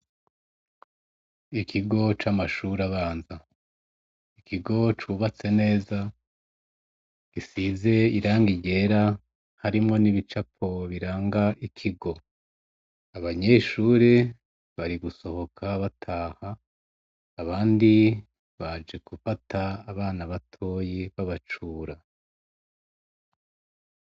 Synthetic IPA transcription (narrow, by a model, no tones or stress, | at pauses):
ikʰiɡo̞t͡ʃamaʃuɾaβaːnza | ikʰiɡo̞t͡ʃuβat͡se̞ne̞ːza | ɡ̥isize̞iɾaːŋɡiɟe̞ɾa | haɾimŋo̞niβit͡ʃapʰo̞βiɾaːŋɡaʔikʰiɡo̞ | aβaɲeʃuːɾe | βaɾiɡuso̞ho̞kʰaβatʰaːhaː | βaːndi | βad͡ʒe̞kufatʰaːβaːnaβatʰo̞ːjiβaβat͡ʃuːɾa